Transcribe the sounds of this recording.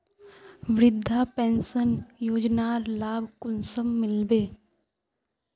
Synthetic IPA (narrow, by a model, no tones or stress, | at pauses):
ʋɾɪd̪ʱːapɛ̃ːnsənjoːd͡ʒnaːɾlaːbʱkʊnsəmːɪlbeː